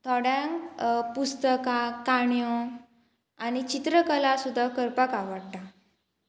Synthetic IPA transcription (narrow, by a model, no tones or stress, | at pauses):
t̪ʰɔɽjãŋkpust̪əkakaɳjɔ | añit͡ɕit̪ɾəkəlasud̪ʱːakəɾpakaʋəɽʈ̪a